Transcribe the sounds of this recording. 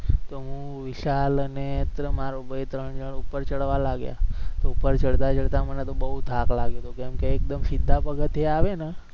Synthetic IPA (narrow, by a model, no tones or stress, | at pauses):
t̪oɦũʋɪʃalənet̪ɾəmaɾobəjt̪ɾəɳd͡ʒəɽupːəɾt͡ʃəɽʋalaɡja̰t̪oupəɾt͡ʃəɽt̪at͡ʃəɽt̪amənet̪obəɦut̪aklaɡjot̪ukɛmkeːk̚d̪əmsɪd̪ʱːapəɡət̪eaʋene